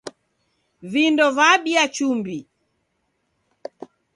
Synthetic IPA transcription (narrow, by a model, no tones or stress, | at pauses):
vindɔvaɓiat͡ʃumbi